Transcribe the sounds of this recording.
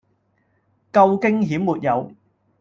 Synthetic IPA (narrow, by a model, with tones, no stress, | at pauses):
kɐ˧wkɪ˥ŋɦiː˨˥mːuː˨t̚jɐ˨˧w